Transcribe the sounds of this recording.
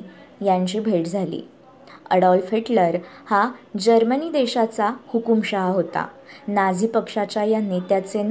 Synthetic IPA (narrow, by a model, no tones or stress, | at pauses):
jaɲt͡ɕiːbʱeʈd͡zʱalḭː | ə̰ɽɔlfeʈləɾhad͡ʑəɾməniːd̪eɕat͡sahukumɕaɦaɦot̪a̰ | nad͡zʱiːpəkʂat͡ɕajanːet̪jat͡sen